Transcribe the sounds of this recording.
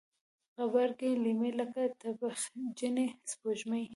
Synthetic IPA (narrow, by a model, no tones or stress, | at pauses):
ɣabaɾɡelimelakat̪abaxd͡ʒənespoʒmaj